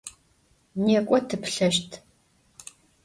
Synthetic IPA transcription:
neːkʷʼɔtʰɨpɬɐʃtʰ

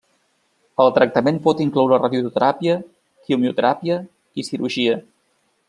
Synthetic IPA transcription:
əlˠt̪ɾək̚t̪əmenpɔt̪iŋklɔwɾərəðjut̪ut̪əɾapiə | kiumiut̪əɾapiə | isiɾuʒiə

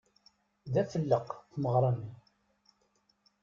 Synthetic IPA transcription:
ðæfəlːəqθməʁɾˤɑni

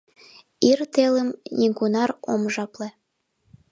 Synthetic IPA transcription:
irt̪eləmnʲiɡunɑro̰mʒɑplĕ

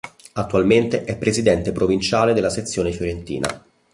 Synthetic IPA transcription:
at̪ːualment̪eʔɛpːɾezid̪ɛnt̪epɾovint͡ʃaːled̪elːaset̪sːjoːnefjoɾent̪ḭːnʔa̰

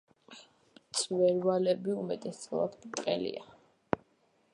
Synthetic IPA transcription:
t̪sʼvɛɾvalɛbiumɛt̪ʼɛsɔa̰d̪mt̪ʼqʼɛlḭa

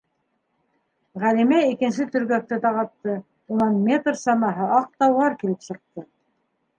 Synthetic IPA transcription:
ʁælimæikɘ̆nsɘt̪ɵ̆ɾɡæk̚t̪ɘt̪ɑʁɑt̪ːɤ | unɑnmʲet̪rsɑnɑɦɤʔɑq̚t̪ɑwlɑɾkilɘpsɤ̆q̚t̪ɤ

